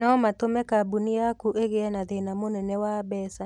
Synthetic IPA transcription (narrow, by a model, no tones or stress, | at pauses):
ɔmatomɛkabunijakuʔeɣeɛnaðenamonɛnɛwaːbɛːsa